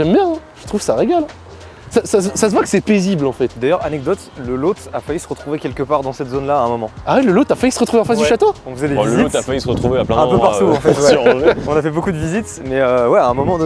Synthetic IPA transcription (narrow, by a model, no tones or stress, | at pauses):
ʒɛmbjɛ̃ɛ̃ʒ̥ə̥t̪χufksaʁeɡal | sasassasəvwakə̥sɛpeziblɑ̃fɛt̪d̪ajœʁanɛɡ̚d̪ɔt̪ləlot̪afajysəʁət̪χuvekʲɛlkəpaʁd̪ɑ̃sɛt̪zonlaːɛ̃mɔmɑ̃awiləlot̪afajysəʁət̪χuveɑ̃fasd̪yʃat̪oɔ̃fəzɛlevizit̪afajysəʁət̪χuveaplɛ̃ɛ̃pøpaʁt̪uɑ̃fɛt̪wɛɔ̃nafɛbokud̪əvizit̪ | mɛøwɛaɛ̃mɔmɑ̃d̪